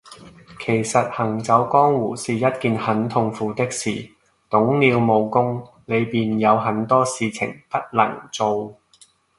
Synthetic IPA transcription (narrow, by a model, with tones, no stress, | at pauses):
kʰe˨˩jsɐ˨t̚hɐ˨˩ŋt͡sɐ˨˥wkɔː˥ŋwuː˨˩siː˨jɐ˥t̚kiː˨nhɐ˨˥nt̪ʰʊ˧ŋfuː˨t̪ɪ˥k̚sḭː˨˩ | t̪ʊ˨˥ŋliː˨˧wmo˨˧wkʊ˥ŋ | le˨˧jpiː˨njɐ˨˧wɦɐ˨˥nt̪ɔː˥siː˨˧t͡sʰɪ̰˨˩ŋpɐ˥t̚lɐ̰˨˩ŋt͡so˨˧w